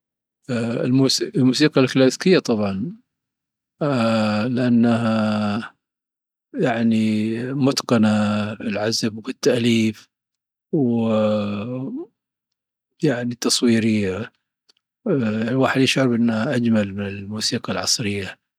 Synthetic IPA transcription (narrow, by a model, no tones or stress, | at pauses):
ɪlmuslmuːsiːqɑlklaθkɪjːat̪ˤɑbʕɑn | lɪʔanːaɦa | jaʕnimʊt̪qɑnaɪlʕazabkɪt̪ːaʔliːf | w | jaʕnit̪ːɑsˤwiːɾɪjːa | lwaːħɪd̪jɪʃʕɑɾbʔɪnːaʔad͡ʒmalmɪnɪlmuːsiːqɑlʕɑ̰sˤɾɪjːa